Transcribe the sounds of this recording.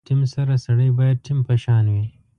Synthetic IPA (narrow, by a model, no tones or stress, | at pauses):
ʈimsɐɾasɐɽəjbaːjɐd̪̚ʈʰimpeʃɑːnwi